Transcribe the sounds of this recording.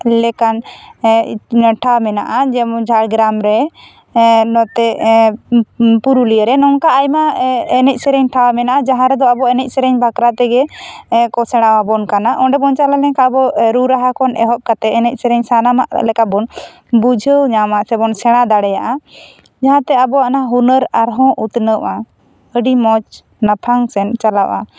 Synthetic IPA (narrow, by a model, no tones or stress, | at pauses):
lɛkan | ʈʰawmɛna̰ʔad͡ʒɛd͡ʒʱaɽɡɾamɾɛ | nɔt̪ɛ | puɾulijəɾɛnɔŋkaːjmaɛnɛc̚sɛɾɛɲʈʰawamɛnaʔad͡ʒaɦãɾɛd̪ɔabɔɛnɛc̚ˀsɛɾɛɲbʱakɾat̪ɛɡɛkɔsɛɽ̃awabɔnkanaʔɔ̃ɖɛbɔnt͡ʃalalɛɲkabɔɾuɾaɦakɔnʔɛ̰ɦɔʔ̚kat̪ɛɛnɛc̚ˀsɛɾɛɲsanama̰ʔlɛkabɔn | bud͡ʒʱəwɲamaʔsɛbɔnsɛɽ̃ad̪aɽɛjaʔa | d͡ʒaɦãt̪ɛabɔanaɦunəɾaɾɦɔ̃ʔut̪nəʔa | əɖimɔt͡ʃ | napʰaŋsɛnt͡ʃalaʔʔa̰